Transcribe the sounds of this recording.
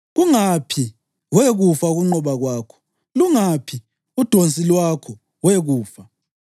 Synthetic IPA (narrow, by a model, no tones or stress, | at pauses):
ɣuŋapʰi | weɣufauɣuŋ͡ǃɔβaɣwaːkʰɔ̥ | luŋapʰi | ud̥ʱont͡sʼilwakʰɔ | weɣuːfa